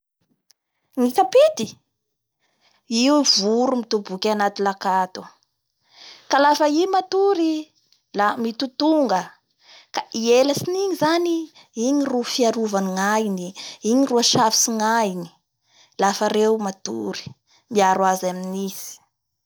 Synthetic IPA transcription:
ŋit̪apit̪i | iuvuɾumit̪ubukʲanat̪ilakat̪u | kalafəimat̪uɾi | lamit̪ut̪uŋɡə | kaieləsiniɲizani | iɲirufiaɾuvaniŋajiniiɲiruaʃafi̥siŋani̥ | lafaɾewmat̪ṵɾi̥ | miaɾwazaminisi̥

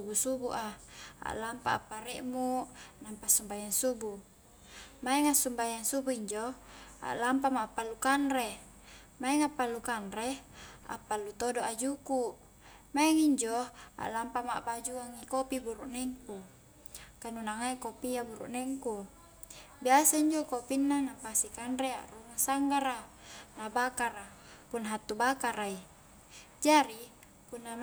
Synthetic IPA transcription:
ubusubuʔaa̰ʔlampa̰a̰pːaɾɛʔmunampasumbajaŋsubu | maɛŋasumbajaŋsubuiɲd͡ʒoa̰ʔlampamaːpːalːukanre | maɛŋapːalːukanɾea̰pːalːut̪odoʔad͡ʒuku | maeŋiɲd͡ʒoa̰ʔlampama̰ʔbad͡ʒuaŋːikopibuɾuʔnɛŋku | kanunaŋaikopiabuɾṵʔnɛŋku | biasaiɲd͡ʒokopinːanapasikanɾea̰ʔrumasaŋɡaɾanabakaɾa | punːaɦat̪ːubakaɾai | d͡ʒaɾi | punːa

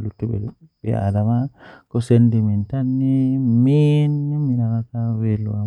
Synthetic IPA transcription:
lutːubḛ | bḛa̰damakosendimintanːiminːiminakakawelua

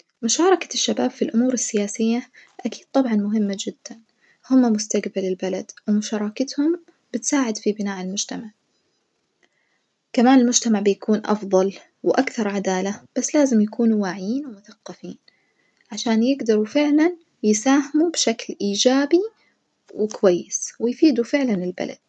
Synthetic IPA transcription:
mʊʃɑːɾˤɑkḁʃːabaːbfilʔʊmuːɾɪsːɪjaːsɪjːaʔakiːd̪̥̚t̪ˤɑbʕɑnmʊɦɪmːad͡ʒɪd̪̥ːan | hʊmːamʊst̪aɡbalɪlbalad̪wɪmʊʃɑːɾˤɑːkat̪hʊm | b̥ɪt̪saːʕɪd̪fibɪnaːʔɪlmʊd͡ʒt̪amaʕ | kamaːnɪlmʊd͡ʒt̪amaʕbɪjakuːnʔɑ̰fðˤɑl | wʔakθɑɾˤʕad̪aːlab̥asːlaːzɪmjakʰuːnuwaːʕɪjiːnwɪmʊθaqːɑfiːn | ʕaʃaːnjɪɡd̪ɑɾˤufɪʕlan | jɪsaːɦɪmubʃaklʔiːd͡ʒaːbi | wɪkʊwajːɪswɪjfiːd̪ufɪʕlanɪlba̰lʔa̰d̪̥̚

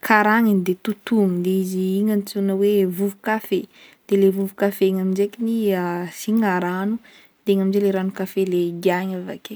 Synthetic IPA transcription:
kʰaɾaŋind̪et̪ut̪uŋid̪eiziiŋant͡sunəwevuvukafed̪̥elevuvukafeŋaminzekiniasiŋaɾanu | d̪̥eŋaminzeleɾanukafeleɡiaɲava̰ke

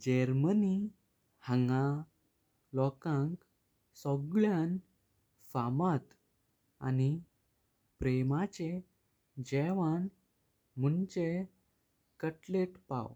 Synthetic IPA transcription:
d͡ʑəɾməni | həŋɡa | lɔkãŋk | sɔɡɭjãn | famat̪ | a̰ni | pɾemat͡ɕe | d͡ʑɛʋan | munt͡ɕe | kəʈleʈpa̰w

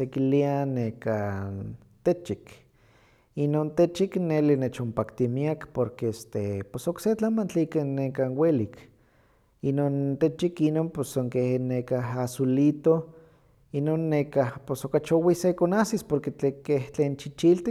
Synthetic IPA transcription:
ekilianekan | t̪et͡ʃik | inont̪et͡ʃiknelinet͡ʃompakt̪imiakpoɾkeest̪epesokset͡ɬamant͡ɬiikanːekanwelik | inoːnt̪et͡ʃikinoːnposoŋkehnekaɦasulit̪o | inoːnːekahposokat͡ʃowisekonasispoɾket͡ɬekeht͡ɬeːnt͡ʃit͡ʃilt̪i

